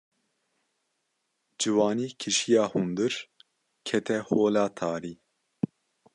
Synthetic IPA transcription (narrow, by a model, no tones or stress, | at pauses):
d͡ʒɨwɑːniːkʰɨʃijɑːhund̪ɨɾ | kʰɛt̪ʰɛhoːlɑːt̪ʰɑːɾiː